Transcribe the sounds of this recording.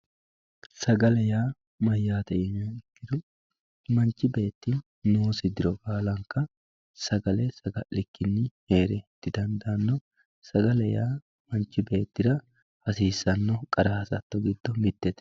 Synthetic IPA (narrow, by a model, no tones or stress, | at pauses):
sɐɡɐlɛjaː | mɐjːaːt̪ɛʔɪnɐɪkːɪd̪ʊ | mɐnt͡ʃːɪbe̞ːt̪ːɪ | noːsɪd̪ɪɾɔkʼaːlɐŋkːɐ | sɐɡɐlɛsɐɡɐlɪkːɪnːɪhe̞ːɾɛt̪ːɪd̪ɐnd̪ɐnːɔ | sɐɡɐlɛjaː | mɐnt͡ʃːɪbe̞ːt̪ːɪd̪ɐ | hɐsiːsːɐnːɔkʼɐɾɐhɐsɐ̰t̪ːɔɡɪd̪ːɔmɪt̪ːɛt̪ɛ